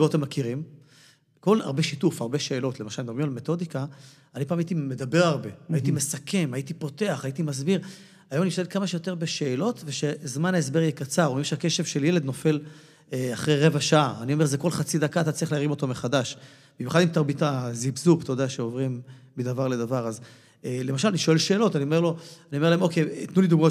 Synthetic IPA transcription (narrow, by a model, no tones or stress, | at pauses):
t̪emːakiʁim | ko̞la̰ʁbe̞ʃitufaʁbe̞ʃe̞ːlo̞t̪lemaʃalemdobʁimalme̞t̪o̞d̪ika | anipaːmait̪ime̞d̪abe̞ʁaʁbe̞ajitime̞sakʰe̞mait̪ipot̪e̞aχait̪imazbiʁ | ajo̞mniʃt̪adekamaʃejo̞t̪e̞be̞ʃe̞ːlo̞tveʃezmanaes̬be̞ʁjekat͡saʁoimʃeake̞ʃevʃelje̞led̪no̞fe̞l | eaχʁejʁe̞vaʃaaːnio̞me̞zekolχat͡sid̪akat̪at͡saʁiχleaʁimo̞t̪omeχadaʃ | bimjuχadimt̪aʁbit̪azibzupt̪od̪eaʃeovʁimːid̪avaʁle̞d̪avaʁaz | elemaʃalaniʃo̞elʃeːlo̞tanio̞me̞ʁlo̞anioe̞ʁlaemo̞ket̪nulid̪uɡmao